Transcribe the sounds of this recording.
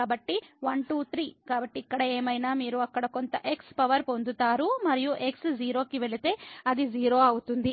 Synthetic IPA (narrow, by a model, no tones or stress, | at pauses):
aːbɐʈːiʋɐɳʈuːt̪ʰɾiːkaːbɐʈːiːkːɐɽɐeːmɐjnaːmiːɾuɐkːɐɽɐko̞nt̪ɐʔekspɐʋɐɾpo̞nd̪ut̪aːɾumɐɾijuʔe̞ksd͡ʒiːɾo̞ːkiʋeɭit̪e̞ːɐd̪id͡ʒiːɾo̞ːɐwut̪und̪i